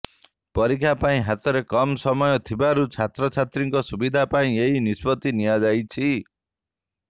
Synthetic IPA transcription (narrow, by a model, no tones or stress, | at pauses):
pɔɾikʰapaĩɦat̪ɔɾekɔmsɔmɔjɔt̪ʰibaɾut͡ʃʰat̪ɾɔt͡ʃʰat̪ɾiŋkɔsubid̪ʱapaĩeɦinispɔt̪inijad͡ʒajt͡ʃʰi